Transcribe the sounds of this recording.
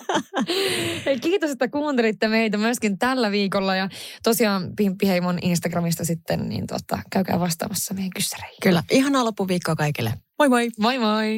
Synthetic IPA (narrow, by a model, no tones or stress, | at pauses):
ekiːt̪oset̪ːækuːnt̪elit̪ːemeit̪æmyøskint̪ælːæʋiːkolːɑjɑt̪osiɑːnpimpːihejmonʔinst̪ɑɡrɑmist̪ɑsit̪ːennḭːnt̪uo̰t̪ːɑ̰kæykæ̰ːʋɑst̪ɑ̰ːmɑsːɑmeeŋkysːæ̥re̥jkylːæʔihɑnɑːlopːuʋiːkːoːkɑikilːḛmojbojʋojmoi